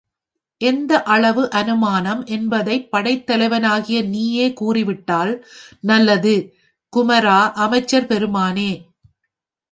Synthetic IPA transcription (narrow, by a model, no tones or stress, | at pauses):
ʔɛnd̪ɐʔɐɭɐʋɯʔɐnɯmaːnɐmʔɛnbɐðɐɪpːɐɽɐɪt̪ːɐlɐɪʋɐnaːɣɪjɐniːjeːkuːrɪʋɪʈːaːlnɐlːɐðɯ | kʊmɐɾaːʔɐmɐɪt͡ʃːɐɾpɛɾɯmaːneː